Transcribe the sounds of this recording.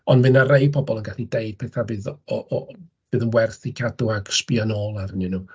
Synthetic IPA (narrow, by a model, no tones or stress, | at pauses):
ɔnmɨnarejpʰɔbɔlˠənɡaɬideɨd̥̚pʰɛθavɨːðɔʔ | v̥ɨːðənwɛrθikʰadʊaɡ̥spianoːlˠaɾənɨnu